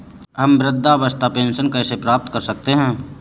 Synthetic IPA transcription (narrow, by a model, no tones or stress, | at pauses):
ɦɐmbɾɪd̪ʱːaʋəst̪ʰapeːnsənkaːsepɾaːp̚t̪kəɾsək̚t̪eɦɛ̃ː